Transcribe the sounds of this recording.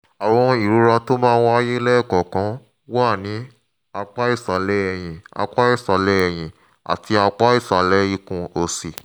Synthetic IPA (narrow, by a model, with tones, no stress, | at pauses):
a˨w̃ɔ̃˧i˨ɾu˨˦ɾa˧to˦mãː˦wa˦je˦lɛ˦˨kɔ˨kã˨˦ | wa˦˨nĩ˨˦ | a˧k͡pa˦i˦˨sa˨lɛ˨˦ɛ˨j̃ĩ˨a̰˧k͡pa˦i˦˨sa˨lɛ˨˦ɛ˨j̃ĩ˨ | a̰˨ti˧a˧k͡pa˦i˦˨sa˨lɛ˨˦i˧kũ˧o˧si˨